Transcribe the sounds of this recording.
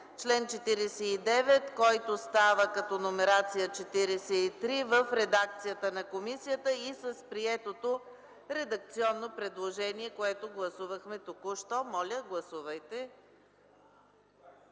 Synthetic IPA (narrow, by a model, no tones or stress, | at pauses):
t͡ʃlɛnt͡ʃɛt̪iɾɛsɛid̪ɛvɛt̪kɔjt̪ost̪avəkɐt̪ɔnomɛɾat̪sijət͡ʃɛt̪iɾɛsɛit̪ɾivəfɾɛd̪ak̚t̪sijət̪ənɐkomisijət̪əisəspɾiɛt̪ot̪o | ɾɛd̪ɐk̚t̪siɔnːopɾɛd̪lˠoʒɛniɛkoɛt̪oɡlˠɐsuvəxmɛt̪okʊʃt̪ɔmɔlʲəɡlˠɐsuvəjt̪ɛ